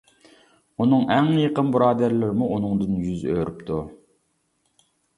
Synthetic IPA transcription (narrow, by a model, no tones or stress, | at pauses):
unɨŋʔɛŋjeqənbɨɾɑːd̪æɾlɪɾmuʔunɨŋd̪ɨnjyzø̰ːɾypt̪ʰu